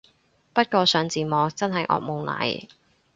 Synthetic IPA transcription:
pɐ˥t̚kɔː˧sœː˨˧ŋt͡siː˨mɔː˨k̚t͡sɐ˥nɦɐ˨jʔɔ̰ː˧k̚mo˨˧wlɐ̰˨˥j

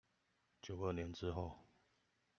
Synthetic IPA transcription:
t͡ɕjo˨˩ʊə˥˩njɛ˧˦nʈ͡ʂɻ̩˦xo˥˨ʊ

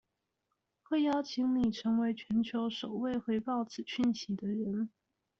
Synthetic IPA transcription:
xwe˥˩ɪjɑ˥˩ʊt͡ɕʰi˧˥ŋli˨˩ʈ͡ʂʰɤ˧˥ŋwe˧˥ɪt͡ɕʰɥɛ˧˥nt͡ɕʰjo˧˥ʊʂo˨˩ʊwe˥˩ɪxwe˧˥ɪpɑ˥˩ʊt͡sɹ̩˨˩ɕy˥˩nɕi˧˥d̪ə˧ɻə˧˥n

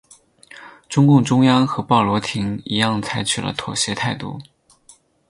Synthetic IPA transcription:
ʈ͡ʂʊ˥ŋkʊ˥˩ŋʈ͡ʂʊ˥ŋjɑ˥ŋxɤ˧˥pɑ˥˩ʊlwɔ˧˥t̪ʰi˧˥ŋi˧˥jɑ˥˩ŋt͡sʰa˧˥ɪt͡ɕʰy˨˩lə̰˧˦t̪ʰwɔ̰˨˩ɕjɛ˧˥t̪ʰa˥˧ɪt̪ṵ˥˩

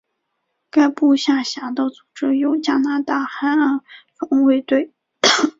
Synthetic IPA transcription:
ka˥ɪpu˥˧ɕja˥˩ɕja˧˥d̪ə˥˩t͡su˨˩ʈ͡ʂɻ̩˥jo˧˥ʊt͡ɕja˥na˧˥t̪a˥˩xa˥nə˧˥fɑ˧˥ŋwe˥˧ɪt̪we˥˩ɪ

